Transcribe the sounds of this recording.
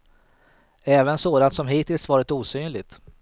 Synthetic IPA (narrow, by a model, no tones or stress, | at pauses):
ɛːvənsoːd̪ant̪sɔmɦiːt̪ʰɪlsvɑːɾɪt̪uːsyːnlɪɡt̪